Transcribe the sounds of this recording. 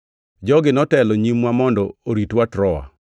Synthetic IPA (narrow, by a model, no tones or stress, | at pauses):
d͡ʒɔɡɪnɔtɛlɔɲimwamɔndɔoɾitwatɾɔa̰